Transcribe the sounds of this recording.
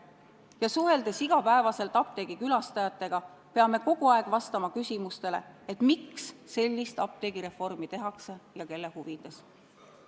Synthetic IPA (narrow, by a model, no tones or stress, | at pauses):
jɑsuɦe̞ld̪e̞siɡ̥ɑpæe̞vɑse̞lt̪ˑɑp̚t̪e̞ːɡ̥ikylɑst̪ɑjɑt̪ˑːe̞ɡ̥ɑ | pe̞ɑme̞ko̞ɡ̥uɑeɡ̥vɑst̪ɑmɑkysʲimust̪e̞le̞̰et̪ːmiksːe̞lʲːist̪ɑp̚t̪e̞ɡ̥iɾe̞fo̞rmit̪e̞ɦɑkse̞jɑke̞lːehuvid̪e̞s